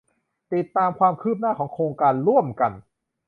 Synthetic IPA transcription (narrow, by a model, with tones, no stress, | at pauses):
t̪i˨˩t̪ːaː˧mkʰwaː˧mkʰɯː˥˩p̚naː˥˩kɔː˩˦ŋkʰɾoː˧ŋkaː˧nɾu˥˩əmka˧n